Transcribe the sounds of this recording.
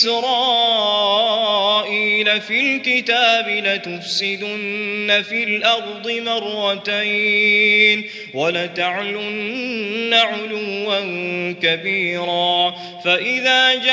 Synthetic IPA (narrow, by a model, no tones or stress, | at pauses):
ɾɑː | ʔiːlafilkɪt̪aːbɪlat̪ʊfsɪd̪ʊnːafilʔɑɾˤd̪ˤɨmɑɾˤːɑt̪aj | n | walat̪aʕlʊnːaʕʊlʊːankabiːɾaː | faʔɪðaːd͡ʒ